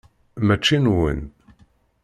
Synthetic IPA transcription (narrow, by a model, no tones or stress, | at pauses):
mæt͡ʃːinwə̰n